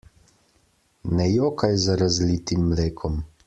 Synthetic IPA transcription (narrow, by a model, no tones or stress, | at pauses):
nɛjoːkajzaɾazliːt̪imːleːkʰɔm